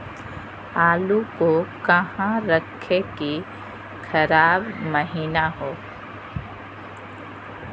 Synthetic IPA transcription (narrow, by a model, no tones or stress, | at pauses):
aːlukokɐɦãɾɐkʰeki | kʰɐɾaːbməɦiːnaɦoː